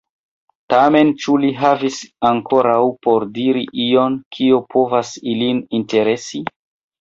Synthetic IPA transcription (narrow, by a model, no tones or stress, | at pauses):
tame̞nt͡ʃuliɦavisaŋkoɾawpo̞ɾdiɾiʔio̞nkʰiopʰo̞vasilininte̞ɾe̞si